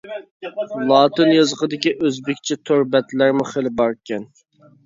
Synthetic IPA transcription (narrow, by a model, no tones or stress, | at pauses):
lˠɑːt̪ɨnjɑzəqəd̪ɪkʲiʔøzbɪkʲt͡ʃʰɛt̪ʰoɾbɛt̪læɾmʊχelɪbɑɾkʲʰɛn